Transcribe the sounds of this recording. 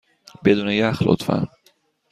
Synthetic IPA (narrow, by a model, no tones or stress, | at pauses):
bed̪unejaxlo̰t̪fa̰